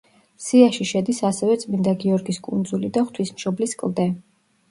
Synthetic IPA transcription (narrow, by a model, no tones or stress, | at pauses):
siaʃiʃɛd̪isasɛvɛt̪sʼmind̪aɡiɔɾɡiskʼund̪zulid̪aχt̪ʰwismʃɔbliskʼlˠd̪ɛ